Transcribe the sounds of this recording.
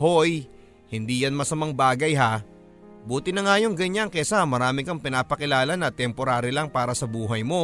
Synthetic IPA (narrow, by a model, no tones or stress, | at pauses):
ho̞j | hɪnd̪iːjɐnmɐsɐmɐŋbaːɡɐjɦa | buːt̪ɪnɐŋaːjo̞ŋɡɐɲaŋkɛsamɐɾaːmɪkɐŋpɪnaːpɐkɪlaːlɐnɐt̪ɛmpoɾaːɾɪlɐŋpaːɾɐsɐbuːɦɐjmo̞